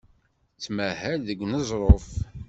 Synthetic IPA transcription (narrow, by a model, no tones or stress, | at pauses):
t͡sːmæhælðəɡʷnəzˤɾˤof